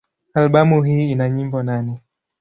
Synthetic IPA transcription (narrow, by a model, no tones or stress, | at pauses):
alɓamuɦiːinaɲimbɔnanɛ